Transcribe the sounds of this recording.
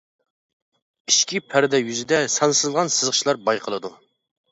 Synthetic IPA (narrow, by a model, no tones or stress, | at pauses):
iʃkʲipʰæɾd̪ɛjyzɪd̪ɛsɑnsɨzʁɑnsɨzʁə̥t͡ʃʰlˠɑɾbɑjqʰəlˠɨd̪u